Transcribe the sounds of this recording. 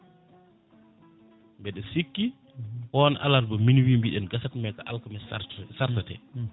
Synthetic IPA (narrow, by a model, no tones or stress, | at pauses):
mbɛɗɛsikːi | hɔnʔa̰laɾbɔminwimbiɗɛnɡasatmɛkaʔa̰lkamɛsaɾtatɛ̰